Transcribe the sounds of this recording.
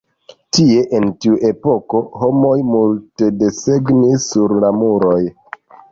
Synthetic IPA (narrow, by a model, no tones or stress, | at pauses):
tie̞ʔentiuʔe̞po̞ko̞ho̞mo̞jmulte̞de̞seɡnisːuɾlamuɾo̞j